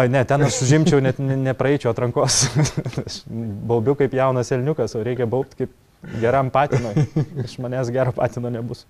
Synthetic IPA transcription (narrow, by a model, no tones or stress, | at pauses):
oːɪnʲɛt̪ʲɛnɐʃsʊʒʲɪmʲt͡ʃʲɛʊnʲɛt̪nʲɛnʲɛpɾɐɛɪt͡ʃʲɛːɐt̪ɾɐŋkoːsɐʃbɐʊbʲʊkɐɪpjɛʊnɐsʲɛlʲnʲʊkɐsoːɾʲɛɪkʲɛbɐʊp̚t̪ʲkɐɪp | ɡʲɛɾɐmpɑːt̪ʲinoːjɐʃmɐnʲeːsɡʲæːɾoːpɑːt̪ʲɪnoːnʲɛbʊsʊ